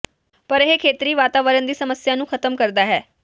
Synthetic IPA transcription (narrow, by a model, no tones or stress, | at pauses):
pəɾeɦekʰeːt̪ɾiːʋaːt̪aːʋəɾənd̪iːsəməsjaːnũːkʰət̪əmkəɾd̪aːɦɛː